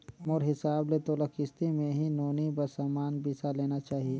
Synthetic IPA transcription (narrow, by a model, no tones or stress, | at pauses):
moːɾɦɪsaːblet̪oːlakɪst̪imẽɦinoːnibɐɾsaːmaːnbiːsaleːnat͡ʃaːɦie